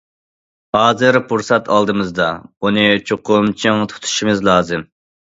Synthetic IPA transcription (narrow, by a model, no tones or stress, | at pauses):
hɑːzɨɾpʰuɾsɑt̪ʰɑlˠd̪ɨmɨzd̪ɑunɨt͡ʃʰoqʰʊmt͡ʃʰiŋt̪ʰu̥t̪ʰu̥ʃimɨzlˠɑːzɨm